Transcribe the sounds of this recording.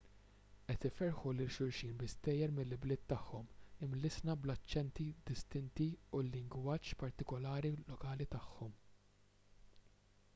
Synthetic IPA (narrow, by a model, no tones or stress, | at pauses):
ʔɛt̪ɪfɛɾħulɪlʃʊɾʃiːnbɪst̪ɛːjːɛɾmɪlːɪblɪːt̪ːɐħːɔmɪmlɪsnɐblɐt͡ʃːɛnt̪id̪ɪst̪ɪnt̪iulːɪŋɡwɐːt͡ʃːpɐɾt̪ɪkɔlɐːɾilɔkɐːlit̪ɐħːɔm